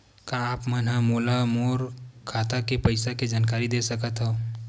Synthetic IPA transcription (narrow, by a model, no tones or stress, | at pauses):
kaːpmənɦamoːlamoːɾkʰaːt̪akepəɪsaked͡ʒaːnkaːɾid̪esəkət̪ɦɛ̃